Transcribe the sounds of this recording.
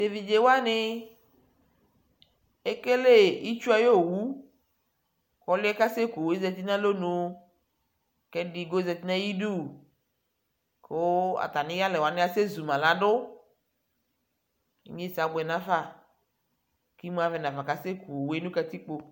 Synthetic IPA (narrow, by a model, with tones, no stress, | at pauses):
te˨vi˨d͡ʒe˨wa˦nɪ˦ | e˦ke˦le˦ji˦t͡ʃu˦a˨jo˦˨wu˦ | kɔ˦lʊ˦ɛ˦ka˦se˦ku˨we˦zɛ˨t̪i˦nã˦lo˦nũ˨˦ | kɛ˦di˨ɡo˦zɛ˨t̪i˦nã˦ji˦ɖu˦˨ | ko˦a̰˨t̪a˨nĩ˦ja˦lɛ˨wa˨˦nɪ̃˦a˦se˦zu˨mã˨la˦ɖʊ˦ | ḭ˦ɲe˦˨sa˨˦ɡ͡bɛ˨nã˦fa˦˨ | ki˦m˦a˦vɛ˨nã˨va˨ka˦se˦ku˨o˨we˦nũ˦ka˨t̪i˦k͡po˨